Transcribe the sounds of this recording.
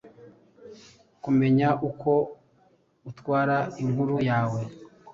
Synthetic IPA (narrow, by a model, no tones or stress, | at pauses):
kume̞ɲaʔuko̞ | utwaːɾaiŋɡuɾujaːwe̞